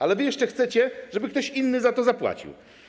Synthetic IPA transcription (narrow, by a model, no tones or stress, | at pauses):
alɛvɘjɛʂt͡ʂɛxt̪sɛt͡ɕɛʐɛbɘk̚t̪ɔɕinːɘzat̪ɔzapwa̰t͡ɕḭw